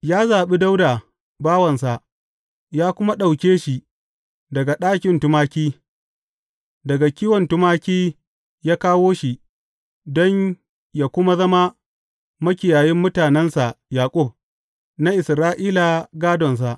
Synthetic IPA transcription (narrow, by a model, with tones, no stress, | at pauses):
jaː˦zaː˨ɓi˦da˦wda˨ | baː˦wɐ˨nsa˨ʔ | jaː˦kʷʊ˦ma˦ɗa˨wkʲeː˦ʃi˨ | dɐ˨ɡa˨ɗaː˦kʲɪ˨ntʊ˦maː˦kʲiː˦ | dɐ˨ɡa˨kʲiː˦wɔ˨ntʊ˦maː˦kʲiː˦ | jaː˦kaː˦woː˦ʃi˨ | dɔ˦ɲ | ja˨kʷʊ˦ma˦zɐ˦ma˦ | mɐ˦kʲɪ˨jaː˨jɪ˦mːʊ˦taː˨nɛ˦nsa˨ʔjaː˨kʷʼʊ˦˨b̚ | na˦ʔɪ˨sɾaː˦ʔiː˦la˨ɡaː˦dɔ˨ns̬a˨ʔ